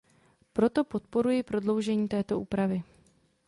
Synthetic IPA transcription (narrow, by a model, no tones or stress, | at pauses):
pɾo̞t̪o̞po̞t̪̚po̞ɾujɪpɾo̞dlo̞wʒɛɲiːt̪ɛːt̪o̞ʔuːpɾavɪ